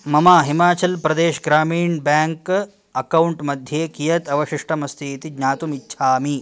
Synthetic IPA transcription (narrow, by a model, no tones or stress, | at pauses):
mɐmaːɦimaːt͡ʃɐlpɾɐd̪eːʃɡɾaːmiːɳbaːŋk | ɐkɐwuɳʈmɐd̪ʱjeːkijɐt̪ɐʋɐʃiʂʈʰɐmɐst̪ʰiːt̪iɡɲaːt̪umitːʃʰaːmi